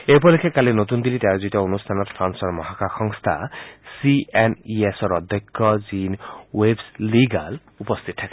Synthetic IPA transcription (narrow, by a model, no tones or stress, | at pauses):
epɔlekʰekalinot̪und̪ilitaazutɔonust̪ʰanɔɾpʰɾansɔɾmɔɦakaxɔŋst̪ʰa̰sieniesɔɾɔd̪ʱjɔkʰːɔzinwebsliɡal | upɔst̪ʰit̪ɔt̪ʰake